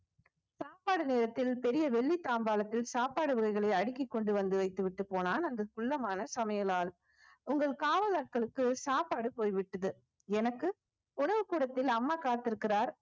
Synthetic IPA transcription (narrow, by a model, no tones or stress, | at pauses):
saːpaːɽɯneːɾɐt̪ːɪlpɛɾɪjɐʋɛɭːit̪ːaːmbaːlɐt̪ːɪlsaːpaːɽɯʋɐɣɐɪɣɐɭɐɪɐɽɪkːɪkːɔɳɖɯʋɐnd̪ɯʋɐɪt̪ːɯʋɪʈːɯpːoːnaːnɐnd̪ɐkʊɭːɐmaːnɐsɐmɐjɐlaːl | ʊŋɡɐɭkaːʋɐðaːʈ̚kɐɭɯkːɯsaːpːaːɽɯpoːjʋɪʈːɐðɯ | ɛnɐkːɯ | ʊɳɐʋɯkuːɽɐt̪ːɪlɐmːaːkaːt̪ːɪɾɯkːɪraːɾ